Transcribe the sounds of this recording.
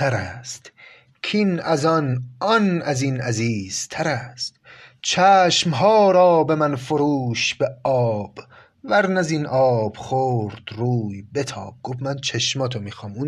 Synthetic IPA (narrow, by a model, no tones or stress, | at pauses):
t̪ʰæɾæst̪ | kʰinæzɒnɒnʔæzinæziːz̥t̪ʰæɾæst̪t͡ʃʰæːʃmɦɒːɾɒːbe̞mænfoɾuːʃb̥eɒːb̥ | væɾnæzinʔɒːb̥χoːɾd̪̥ɾuːjbe̞t̪ʰɒ̰ːb̚ɡ̥ofmænt͡ʃʰeʃmɒːt̪ʰomiːxɒmuːn